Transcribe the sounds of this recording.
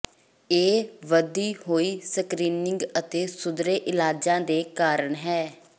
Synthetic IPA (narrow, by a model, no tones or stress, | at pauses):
eːʋəd̪iːɦoːiːsəkɾiːnɪŋɡət̪eːsʊd̪ɾeːʔɪlaːd͡ʒãːd̪eːkaːɾəɳɦɛː